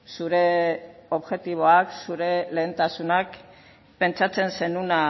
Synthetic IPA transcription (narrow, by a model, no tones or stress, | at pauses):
suɾe̞o̞βʝe̞t̪iβ̞o̞aksuɾe̞le̞ːnt̪asunak | pe̞nt͡sat͡se̞nse̞nuna